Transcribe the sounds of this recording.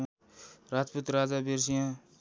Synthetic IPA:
ɾad͡zput̪ɾad͡zabeɾs̬ijã

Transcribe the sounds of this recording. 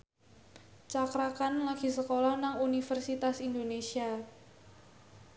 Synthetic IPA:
t͡ʃakɾakanlaɡ̥i̤səkolahnaŋunifərsit̪asind̪onesia

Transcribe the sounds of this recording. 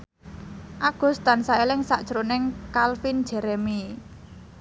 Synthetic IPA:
ʔaɡ̥ṳst̪ansaelɪŋsaʔd̥ʒ̥əɾonɪŋkalfind̥ʒ̥ɛ̤ɾɛmi

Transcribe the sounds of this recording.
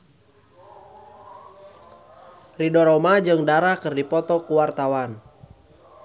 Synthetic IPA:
ridɔɾɔmad͡ʒɨŋdaɾakɨrdipɔt̪ɔkuwart̪awan

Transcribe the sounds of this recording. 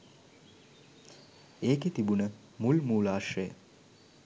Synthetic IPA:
eːket̪ibunə | mulmuːlaːʃrəjə̰

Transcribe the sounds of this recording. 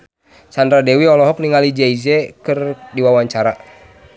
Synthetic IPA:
sandɾadɛwiɔlɔɦɔk̚niŋalid͡ʒaizɛkɨrdiwawaɲt͡ʃaɾa

